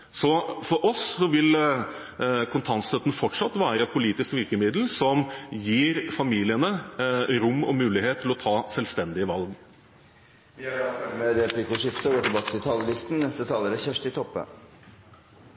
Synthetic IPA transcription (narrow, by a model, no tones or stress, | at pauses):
sɔfɔɾʔɔssɔʋɪl | kʰʊnt̪ʰɑnst̪œt̪nfɔʈʂɑt̪ːʋæːɾəɛt̪̚pʰʊliːt̪ɪskʋɪɾkəmɪd̪l̩sɔmjiːɾfɑmiːlɪənəɾʊmːɔ̰mʉːlɪheːt̪ʰːɪlɔt̪ʰɑːsɛlst̪ɛnd̪ɪəʋɑlɡ | mɛɾɛpʰlɪkʊʂɪft̪əɡoːʈɪlbɑːkət̪ʰɪlt̪ʰɑːləlɪst̪n̩nɛst̪ət̪ʰɑːləɾəçɛʂʈ̪ɪt̪ʰɔpːə̰